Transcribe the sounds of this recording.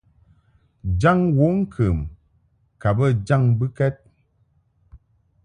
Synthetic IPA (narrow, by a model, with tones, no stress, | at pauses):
d͡ʒa˦˨ŋwo˨˦ŋ̩˦kʰə˨m | ka˨bə˦˨d͡ʒa˦˨ŋbɨ˦kɛ˦t̚